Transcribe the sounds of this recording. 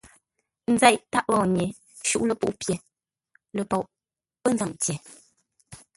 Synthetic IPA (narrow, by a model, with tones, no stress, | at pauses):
n̩˦za˦˨ʔta˦ʔɣɔː˨ɲe˨ | ʃṵ˦ʔlə˨pṵ˦˨ʔpje˨ | lə˨pɔ˨ʔ | pə˦n˦za˨mtje˨